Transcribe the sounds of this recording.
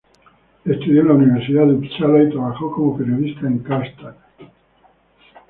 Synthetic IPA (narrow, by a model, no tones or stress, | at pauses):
e̞st̪uðjonauniβ̞eɾsiðaðept͡ʃalait̪ɾaβaxo̞ko̞mopeɾjo̞ðist̪aeŋkast̪ak